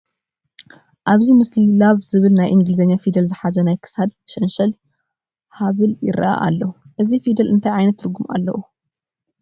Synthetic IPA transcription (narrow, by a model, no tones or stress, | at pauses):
ʔaβzimɨslilaβzɨβɨlnajʔɨŋɡɨlzɐɲːafid̪ɐlzɨħazɐnajkʰɨ̥sad̪ʃɐnʃɐl | haβɨljɪ̰ɾa̰ʔa̰ʔa̰lːɐuʔɨzifid̪ɐlɨnt̪ʰajʕajnɐt̪ːɨɾɡuma̰lːɐ̰ʔu